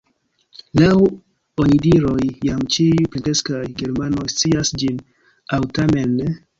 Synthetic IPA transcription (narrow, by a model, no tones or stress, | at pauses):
law | onidiɾo̞jːamt͡ʃiuplente̞skajɡe̞ɾmano̞jst͡siasd͡ʒin | awtame̞nːe